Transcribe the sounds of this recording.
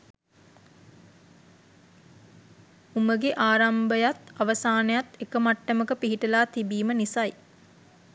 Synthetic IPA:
uməɡeʔaːɾambəjat̪aʋəsaːnəjat̪ekəmaʈːəməkəpiɦiʈəlaːt̪ibiːmənisaj

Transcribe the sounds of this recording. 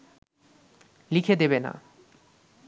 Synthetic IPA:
likʰed̪eβena̰

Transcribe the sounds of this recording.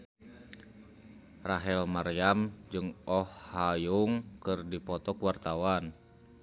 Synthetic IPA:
raɦɛlmarjamd͡ʒɨŋɔhːajuŋkɨrdipɔt̪ɔkuwart̪awan

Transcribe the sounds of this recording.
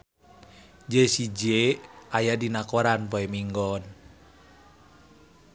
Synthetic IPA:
d͡ʒesid͡ʒeajadinakoɾanpoɛmiŋɡɔn

